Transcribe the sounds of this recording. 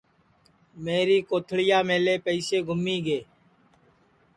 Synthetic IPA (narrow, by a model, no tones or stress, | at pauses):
meːɾiːkoːt̪ʰɭɪjaːmeːleːpəiːseːɡʱʊmiːɡeː